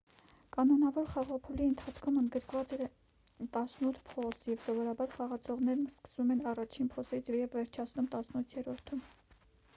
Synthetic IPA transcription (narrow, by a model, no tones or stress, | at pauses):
kɑnɔnɑvɔɾχɑʁɔpʰuliənt̪ʰɑt͡sʰkʰumənd̪ɡəɾkvɑt͡sɛ | t̪ɑsnut̪ʰpʰɔsjɛvsɔvɔɾɑbɑɾχɑʁɑt͡sʰɔʁn̪ɛɾnskə̥svumɛnɑrɑt͡ʃʰinpʰɔsit͡sʰɛjɛvːɛɾt͡ʃʰɑt͡sʰnumt̪ɑsnut̪ʰjɛɾɔɾt̪ʰum